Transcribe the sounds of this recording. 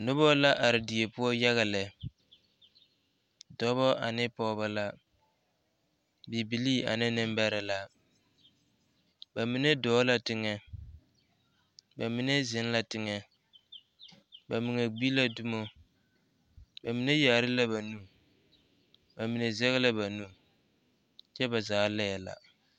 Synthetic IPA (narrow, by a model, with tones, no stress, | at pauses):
nʊ˦bɔ˦la˦ʔa˨ɾɪ˨dɪ˨e˨pʊ˦ɔ˦ja˦ɣa˨lɛ˨ | dɔ˦βɔ˦ʔa̰˨nɪ˦pɔː˦ba˨la˦ | bi˨bi˨liː˦a̰˨nɪ˦nɪ˦mbɛ˦ɾɪ˨la˨ | ba˨mi˨ne˦dɔː˨˦la˦tɪ˦ŋɛ˨ | ba˨mi˨ne˦zɪ˨˦n˦la˦tɪ˦ŋɛ˨ | ba˨mi˨ŋe˨ɡ͡bi˦la˦du˦mo˦ | ba˨mi˨˦ne˦jaː˨ɾɪ˦la˦ba˨nu˦ | ba˨mi˨ne˨zɛ˦ɣɛ˦la˦ba˨nu˦ | t͡ʃɛ˦ba˨zaː˨˦lɛ˦ɛ˨la̰˨